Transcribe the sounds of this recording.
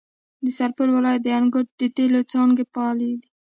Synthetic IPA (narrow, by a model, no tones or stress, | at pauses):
d̪əsaɾpəɾwɪlɑjat̪̚d̪əanɡʊʈ̚d̪ət̪elot͡sɑŋɡepɑled̪i